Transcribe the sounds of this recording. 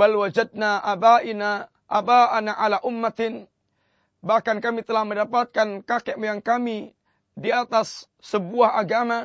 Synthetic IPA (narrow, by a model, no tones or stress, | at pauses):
balwad͡ʒad̚naʔabaʔina | ʔabaʔanaʔalaʔʊmːat̪ɪn | bahkankamit̪əlahməndapat̪̚kankakɛʔmajaŋkami | diat̪asː | əbuahʔaɡama